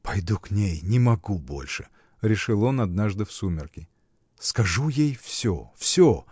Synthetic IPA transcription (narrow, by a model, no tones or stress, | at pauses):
pɐjd̪uknʲejnʲɪmɐɡubo̞̰lʲʂɨ | ɾʲɪʂɨlˠo̞nɐd̪naʐd̪ɨfsumʲɪrkʲɪ | skɐʐujejfsʲo̰fsʲo